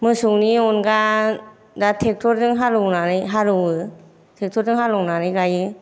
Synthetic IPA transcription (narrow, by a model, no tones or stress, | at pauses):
mɯsuŋniɔnɡa | datʰek̚tʰɔɾdɯŋɦaɾɯwnanɯjɦaɾɯwɯ | tʰek̚tʰɔɾdɯŋɦalɔwnanɯjɡajɯ